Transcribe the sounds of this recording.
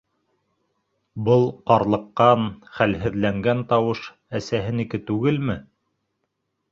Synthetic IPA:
bɤlˠqɑɾlˠɤ̆qːɑnχælɦɘ̆ðlæŋɡænt̪ɑwɤʃ | æsæɦɘnikɘt̪ʉɡɘlmɘ

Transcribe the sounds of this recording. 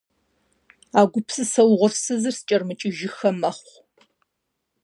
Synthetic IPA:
aːɡʷʊpsɨsɐwʁʷʊrsɨzɨrst͡ʃʼɐrmɨt͡ʃʼɪʒɪxɐmɐχʷ

